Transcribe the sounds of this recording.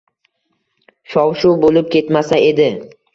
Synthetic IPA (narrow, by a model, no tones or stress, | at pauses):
ʃɒwʃubolɪp̚kʲe̞t̪masae̞d̪ɪ